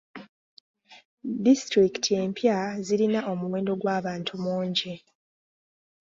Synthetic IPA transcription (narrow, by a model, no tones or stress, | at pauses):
distɾiki̥tʰie̞ːmpʰjaziɾinaʔo̞muwe̞ːndo̞ɡwaːβaːntʰumoːɲɟe